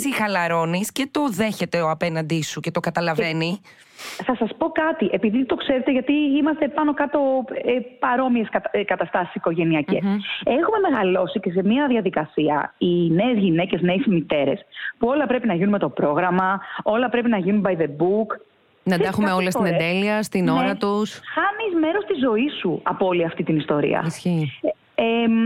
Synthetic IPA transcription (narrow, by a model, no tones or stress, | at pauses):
sixɐlɐɾo̞nisce̞t̪oðe̞çe̞t̪eoɐpenɐnd̪isucet̪okɐt̪ɐlɐveni | θɐsɐspo̞kɐt̪iʔe̞piðit̪o̞kse̞ɾet̪eʝɐt̪iimɐst̪e̞pɐno̞kɐt̪o̞epɐɾo̞miesɐkɐt̪ɐst̪ɐsi̥si̥ko̞ʝe̞niɐce̞se̞xume̞me̞ɣɐlo̞sice̞se̞miɐðɐðikɐsiɐ̰ine̞ːzʝine̞ce̞zne̞ːsmit̪e̞ɾe̞̰spuo̞lɐpɾe̞pinɐʝinunme̞t̪o̞pɾo̞ɣɾɐmɐo̞lɐpɾe̞pinɐʝinumbɐjðe̞buk | nɐd̪ɐxumeolɐst̪ined̪eliɐst̪inoɾɐt̪usxɐnizme̞ɾo̞st̪izo̞isuɐpooliɐft̪it̪inist̪o̞ɾḭɐ̰sç | e